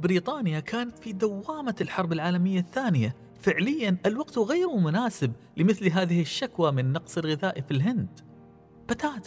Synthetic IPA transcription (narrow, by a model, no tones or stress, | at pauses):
bɾiːt̪ˤɑːnɪjakʰaːnat̪fid̪awːaːmalħɑɾˤbɪlʕaːlamɪjːaθːaːnɪja | fɪʕlɪjːanʔalwaɡt̪ɣeːɾmʊnaːsɪb | lɪmɪθlɦaːðɪhɪʃːakwamɪnːɑqsˤɪlɣɪðaːʔfilɦɪnd̪ | bat̪aːt̪